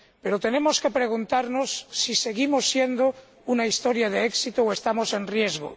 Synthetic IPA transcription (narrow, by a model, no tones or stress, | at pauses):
pe̞ɾot̪e̞ne̞mo̞ske̞pɾe̞ɣ̞unt̪aɾnosːise̞ɣimosːje̞nd̪o | unaist̪o̞ɾjaðeeksit̪ooest̪amo̞se̞nrje̞zɣo̰